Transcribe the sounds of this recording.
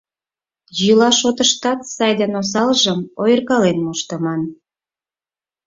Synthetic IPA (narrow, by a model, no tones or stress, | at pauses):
jylɑʃot̪əʃt̪ɑt̪sɑjd̪enos̬ɑlʒəmojərɣɑlenmoʃt̪ə̆mɑn